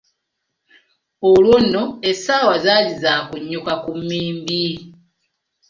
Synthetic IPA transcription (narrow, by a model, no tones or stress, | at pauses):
olwonoesaːwazalizakuɲːukakumːiːmbi